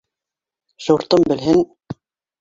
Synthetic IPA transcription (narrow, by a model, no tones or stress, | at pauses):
ɕuɾt̪ɤmbɘ̆lɦɘn